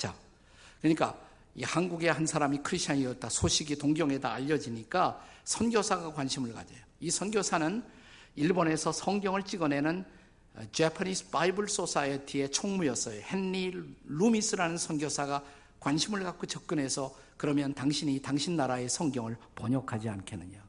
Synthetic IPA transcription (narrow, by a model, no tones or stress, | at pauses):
t͡ɕa | kɯɲik͈a̰ | ḭhanɡuɡe̞hansʰaɾamikʰɯɾiɕt͡ɕʰaɲiʌt̚t͈asʰoɕʰiɡitoŋɡjʌŋe̞daːʎːʌd͡ʑiɲik͈asʰʌnɡjosʰaɡakwanɕʰimɯɭɡa̰d͡ʑejoisʰʌnɡjosʰanɯn | iɭbone̞sʰʌsʰʌŋɡjʌŋɯɭt͡ɕ͈iɡʌne̞nɯn | t͡ɕepʰanispaibɯɭs͈osʰaetʰie̞t͡ɕʰoŋmujʌs͈ʌjohe̞nːiɭumis͈ʰɯɾanɯnsʰʌnɡjosʰaɡa | kwanɕʰimɯɭɡak͈̚ot͡ɕʌp̚k͈ɯnɦe̞sʰʌ | kɯɾʌmjʌntaŋɕʰiɲitaŋɕʰinːaɾae̞sʰʌŋɡjʌŋɯɭpʌɲʌkʰad͡ʑiankʰenːɯɲo